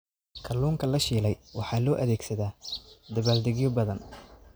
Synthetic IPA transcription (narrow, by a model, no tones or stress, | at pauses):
kʰɐluːŋkʰɐlɐʃiːlɛjwɑħɑːlɔːʔɐðɛːɡsɐðaːd̪ɐβaːld̪ɛɣjɔbɐðɐn